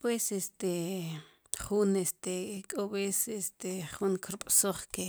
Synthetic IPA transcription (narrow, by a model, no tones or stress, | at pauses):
pwesest̪e | χunest̪ekʼoβesest̪eχuŋkɾiɓ̥ʼsoχke